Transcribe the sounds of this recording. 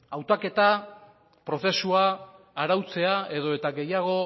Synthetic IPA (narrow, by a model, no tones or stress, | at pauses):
awt̪ake̞t̪a | pɾo̞θe̞suaː | ɾawt͡se̞ae̞ðo̞e̞t̪aɡe̞jaɣ̞o̞